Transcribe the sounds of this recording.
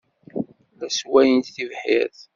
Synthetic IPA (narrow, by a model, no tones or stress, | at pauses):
læswæjənt̪θivħjə̰θ